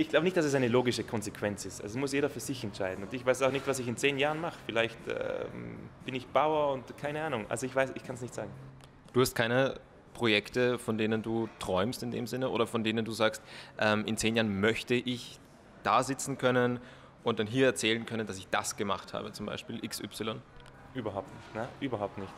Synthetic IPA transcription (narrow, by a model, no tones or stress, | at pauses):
ʔɪçɡ̥laʊbənɪçtd̥asɛs̬aɪnəloːɡɪʃəkʰɔnzekʰv̥ɛnt͡sɪstʔa̰lzosmʊsjeːɾɐfyːɐzɪçɛntʃaɪdn̩ʊ̃ntɪçv̥aɪsaʊxnɪçtv̥as̬ɪçɪnt͡seːnjaːʁənmaχəfɪlaɪçtɛ̰mb̥ɪnɪçb̥aʊɐʊntkʰaɪnəaːnʊŋʔa̰lzoɪçv̥aɪsɪçkʰansnɪçtz̥aːɡŋ̩ | d̥uːhast̚kʰaɪnə | pʁ̥ojɛktəfɔndeːnənduːtʁ̥ɔʏmstɪndḛːmzɪnəʔo̰ːɾɐfɔndeːnənduːzaːkstʔɛmʔɪnt͡seːnjaːɐənmœçtəʔɪç | d̥aːzɪt͡sn̩kʰœnən | ʔʊnt̚d̥anɦiːɐɛɐt͡sɛːlənkʰœnəndas̬ɪçd̥a̰sɡ̥əmaχtha̰ːbət͡sʊmba̰ɪʃpiːlʔɪksʔʏ̰psɪlɔn | ʔyːbɐɦaʊp̚tnɪçtnəʔyːbɐɦaʊp̚tnɪçt